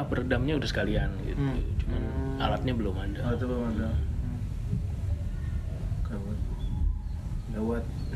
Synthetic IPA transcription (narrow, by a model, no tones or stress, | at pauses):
pərdamɲaudahsə̥kalianɡḭt̪ut͡ʃumana̰lat̪̚ɲabəlomadaat̪əbada | kawat̪ | dawat̪̚